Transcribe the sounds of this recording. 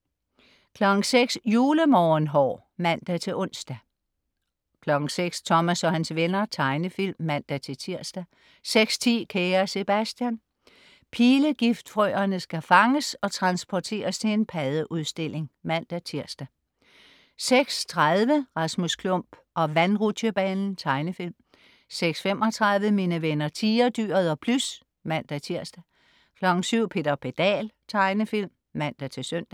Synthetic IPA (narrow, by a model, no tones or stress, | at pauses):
kʰlɒ̽ɡ̥ŋ̩seɡ̥sjuːləmɒːnɦɒ̰ː | mæn̰d̥æt͡sʰe̝ʔɔ̽n̰sd̥æ | kʰlɒ̽ɡ̥ŋ̩seɡ̥st͡sʰɒ̽mæsɒ̽hænsʋenɐt͡sʰɑ̈ɪnəfil̰mːæn̰d̥æt͡sʰe̝t͡sʰiɐ̰sd̥æ | seɡ̥st͡sʰḭːkʰeːɐse̝b̥æsd̥jæn | pʰiːləɡ̥ifd̥fʁœːɐnəsɡ̥æfɑ̈ŋəsɒ̽t͡sʰʁɑ̈nsb̥ʰɒt͡sʰe̝̰ːɐst͡sʰe̝enpʰæð̞ˠəʔuðˠsd̥e̝l̰e̝ŋmæn̰d̥æt͡sʰiɐ̰sd̥æ | seɡ̥st͡sʰʁɑðˠʋəʁɑ̈smuskʰlɔ̽m̰b̥ | ʔɒ̽ʋænʁu̥əb̥ɛːnn̩t͡sʰɑ̈ɪnəfilm | seɡ̥sfemʔɒ̽t͡sʰʁɑ̈ðˠʋəminəʋenɐt͡sʰiːɐd̥yːɐðˠɒ̽pʰlus | mæn̰d̥æt͡sʰiɐsd̥æ | kʰlɒ̽ɡ̥n̩syʊ̰pʰe̝̰ːd̥ɐpʰe̝d̥ɛ̰ːlt͡sʰɑ̈ɪnəfil̰mːæn̰d̥æt͡sʰe̝sœn̰d̥æ